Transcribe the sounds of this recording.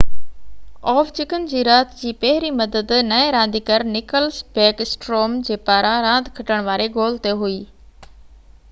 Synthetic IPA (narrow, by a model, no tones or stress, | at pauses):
ɔːft͡ɕɪkənd͡ʑiːɾaːt̪d͡ʑiːpɐɦɪɾimɐd̪əd̪nɐeɾãːn̆d̪ikɐɾnɪkəlsbɛːkɪsʈɾoːmd͡ʑeːpaːɾãɾãːnd̪ʱkʰɐʈəɽ̃ʋaːɾeɡoːlt̪eɦuiː